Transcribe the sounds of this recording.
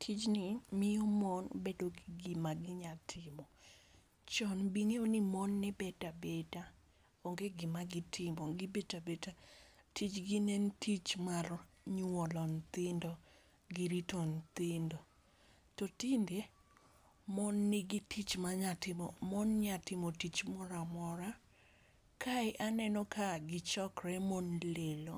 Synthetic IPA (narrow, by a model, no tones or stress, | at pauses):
tʰit͡ʃnɪmɪjɔmɔnbedoɡɪɡɪmaɡɪɲatʰɪmɔ | t͡ʃɔnbiŋeonɪmɔnːɪbɛtabeta | oŋɡeɡɪmaɡɪtʰɪmɔɡɪbetabetatit͡ʃɡinɛntʰit͡ʃmar | ɲɔlɔnt̪ɪndɔ | ɡɪɾitɔnt̪ɪndo | tɔtinde | mɔnːɪɡɪtʰit͡ʃmaɲatɪmɔmɔnɲatɪmotit͡ʃmɔɾamɔɾa | kʰaɪʔanɛnɔkʰaɡɪt͡ʃɔkɾɛmonlelo